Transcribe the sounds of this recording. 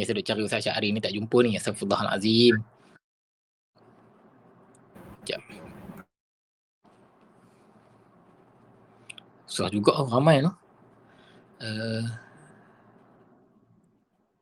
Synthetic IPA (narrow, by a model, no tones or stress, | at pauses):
jasadʊʔ̚t͡ʃaɾiusaʃaʔaɾinit̪aʔd͡ʒumpʊnijasafud̪ˤɑɦa̰la̰zim | t͡ʃa̰ʔ | suahd͡ʒuɡɔʔramajlɔh | ə